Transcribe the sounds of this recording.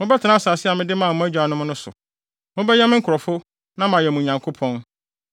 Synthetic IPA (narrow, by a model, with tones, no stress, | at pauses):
mʊ̃˦bɛ˦tʰɪ˨nã˦saː˨sɪ˦a˨mɪ̃˦dɪ˦mã˦˨mʊ̃˦æ˦d͡ʑᶣa˨nʊ̃˦mʊ̃˦nʊ̃˦sʊ̰˨ | mʊ̃˦bɛ˦ɲɛ˦mɪ̃˦ŋ̩˦kʰʊ˨ɾɔ˨fʊ˦ | nã˦m˨ã˨jɛ˨mũ˨ɲã˨ŋkʰo˦pʰɔ̃˦n